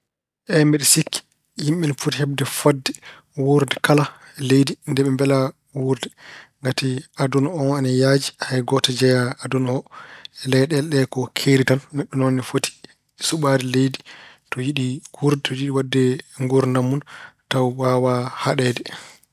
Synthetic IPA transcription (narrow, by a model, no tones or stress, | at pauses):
ʔɛmbɛɗɛsikːi̥ | jimɓinfutihɛbdɛfadːɛ | wuɾdɛkala | lejdindɛɓɛmbɛla | wuɾdɛŋɡatiadunɔnɛnajad͡ʒihajɡɔtɛd͡ʒɛjaadunɔɔɛlɛjɗɛlɗɛkɔkʰeɾitanːɛɗːunɔnɛfoti̥ | suɓadɛlejdi | tɔjiɗikuɾdɛtɔjiɗiwadːɛŋɡuɾnamːuntawwawahaɗɛːdɛ